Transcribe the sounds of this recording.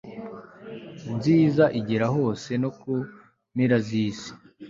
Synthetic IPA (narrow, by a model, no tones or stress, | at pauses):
nziːzaʔiɟeɾaɦo̞ːse̞noku | miɾaziːsi̥